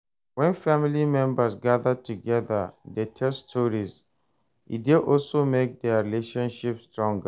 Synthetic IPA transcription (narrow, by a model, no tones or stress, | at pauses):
wɛ̃nfamilimɛ̃mbəsɡaðətuɡɛðədətʰɛstʰɔɹiz | ḭdeʔɔlsomek̚dɛaɹileʃɔ̃nʃipstɹɔ̃ŋɡə